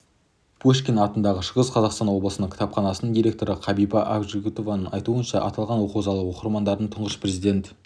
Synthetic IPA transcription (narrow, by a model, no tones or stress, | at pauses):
b̥oʃkʲenɑt̪ənd̪ɑʁəʃəʁəsqʰɑzɑqst̪ɑnwo̞bləsənəɴkʲʰt̪ɑpχɑnɑsənəɴd̪ijɾʲe̞k̚t̪o̞ɾəqʰɑbibɑʔabʒiɡʲut̪o̞vɑnəɴɑjt̪uənʃɑʔɑ̰t̪ɑlˠʁɑnwo̞quwzɑlˠwoqəɾmɑnd̪ɑɾd̪əɴt̪ʰʊɴʁəʃpɾe̞zijd̪ʲe̞nt̪